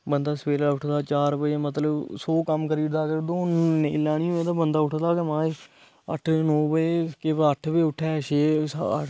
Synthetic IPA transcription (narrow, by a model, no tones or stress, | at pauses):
bənd̪aːsəpeːlaːʊʈʰd̪aːt͡ʃaːɾpəːmət̪ləbsoːkəmkəɾiːɾd̪aːkəɾd̪oːelaːnĩːoːẽːd̪aːbənd̪aːʊʈʰd̪aːkemãː | ə̰ʈʰːnõːbəkeʋəʈʰbeːʊʈʰːɛːʃeːs